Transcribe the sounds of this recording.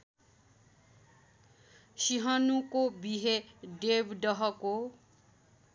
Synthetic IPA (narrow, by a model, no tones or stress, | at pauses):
siɦʌnukobiɦeɖebɖʌɦʌko